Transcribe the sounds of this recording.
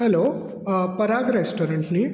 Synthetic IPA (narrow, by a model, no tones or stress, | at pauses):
hɛloː | pɐɾaːɡɾesʈoːɾeɳʈni